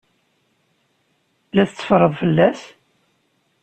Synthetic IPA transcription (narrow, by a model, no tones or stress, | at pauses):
læθət͡sːə̥fɾˤəðˤfəlːæs